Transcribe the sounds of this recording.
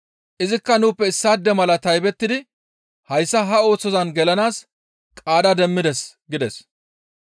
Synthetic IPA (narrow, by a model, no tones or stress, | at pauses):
ʔɪzɪkːɐnuːpːɛɪsːaːd̪ːɛmɐlɐt̪ɐjbɛt̪ːɪd̪ɪ | hɐjsːɐɦɐo̞ːt͡sːɔzɐnɡɛlɐnaːs | kʼaːd̪ɐd̪ɛmːɪd̪ɛsɡɪd̪ɛs